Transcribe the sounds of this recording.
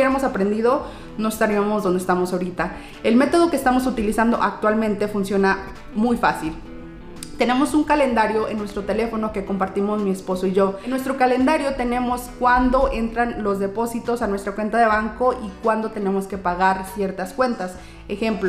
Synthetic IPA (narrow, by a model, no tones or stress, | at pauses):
eɾemo̞sapɾe̞nd̪iðo̞ | noest̪aɾiamo̞zðond̪est̪amo̞saoɾit̪a | e̞lme̞t̪o̞ð̞o̞kest̪amo̞sut̪ilisand̪o̞̰ʔak̚t̪walmẽ̞nt̪e̞funsjo̞na | mujfasil | t̪e̞ne̞mo̞suŋkale̞nd̪aɾjo̞ʔenːwe̞st̪ɾo̞t̪e̞le̞fo̞no̞ke̞ko̞mpaɾt̪imo̞zmie̞spo̞soiʝo̞nwe̞st̪ɾo̞kale̞nd̪aɾjo̞t̪e̞nẽ̞mo̞skwand̪o̞ʔe̞nt̪ɾanlo̞zðe̞po̞sit̪o̞sanwest̪ɾakwe̞nt̪aðe̞βaŋko̞ʔikwand̪o̞t̪e̞ne̞mo̞ske̞paɣaɾsje̞ɾt̪askwe̞nt̪as | exe̞mplo